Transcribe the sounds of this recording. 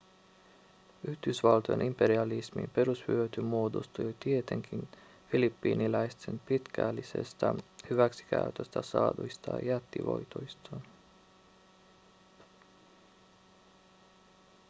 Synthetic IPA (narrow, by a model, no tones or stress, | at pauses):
yhd̪ysʋɑlt̪ojenʔimpe̞ɾiɑlismḭmpe̞ɾushyøt̪ymuod̪o̰st̪ut̪iet̪e̞ŋkʰin | filipːiːnilɑjst̪ʰenpit̪kʰælːisḛst̪ɑhyʋæksi̥kæ̰yt̪øst̪æsɑːd̪ujst̪ɑ̰jæt̪ːḭʋo̞̰jt̪ojst̪ʰɑn